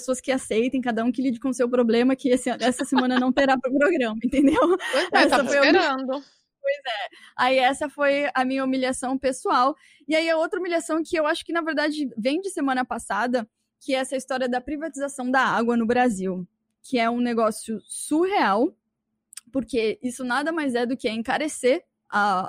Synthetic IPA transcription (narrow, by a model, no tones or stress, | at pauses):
esoɐskɪasejt̪ẽj̃kad̪ɐũkɪlid͡ʒɪkõsewpɾoblẽmɐkɪesɛsɐsemnɐ̃nɐnɐ̃w̃t̪eɾapɾʊpɾoɡɾɐ̃mɐẽnt̪ẽnd̪ewɛsɐffojɾɐ̃d̪ʊ | pojzɛaiɛsɐfojɐmĩɲɐumiʎiasɐ̃w̃pesuaw | ɪaiɐowt̪ɾɐumiliasɐ̃w̃kɪewaʃʊ̥kɪnɐveɾd̪ad͡ʒɪvẽj̃d͡ʒɪsemɐ̃nɐpasad̪ɐ | kɪɛsɐist̪ɔɾiɐd̪ɐpɾivat͡ʃizasɐ̃w̃d̪ɐaɡwɐnʊbɾaziw | kʰɪɛũneɡɔsjʊsuheaw | poɾkeisʊnad̪ɐmajzɛd̪ʊkɪɐẽkaɾeseɾ | a